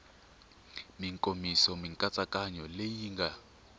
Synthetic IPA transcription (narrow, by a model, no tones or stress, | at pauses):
miŋkʼomisɔmiŋkʼat͡sʼakʼaɲɔlejiːŋɡa